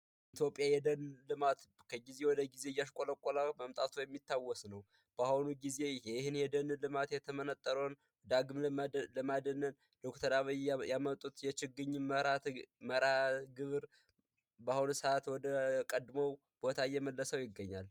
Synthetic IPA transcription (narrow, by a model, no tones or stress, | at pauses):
it̪ʰjo̞pʼijajɛd̪ənlɨmat̪ | kʰəɡize̞wɔd̪əɡize̞jːaʃkʼoləkʼːolaməmt̪ʼat̪ʰujɛmːit̪ʰːawːɔsnəw | b̥ahunuɡize̞hehɨnjɛd̪ənlɨmat̪jɛt̪ʰəmənət̪ʼːəɾon | d̪aɡmlmlɨmad̪ənːən | d̪̥okt̪ʰəɾaβəjjamət̪ʼːut̪jɛt͡ʃɪɡːɨɲːɨəɾat̪məɾatɡɨβɾ | bahunsəat̪wɔd̪əkʼəd̪məw | b̥ot̪ʰajɛməlːəsəwjɪɡːəɲːal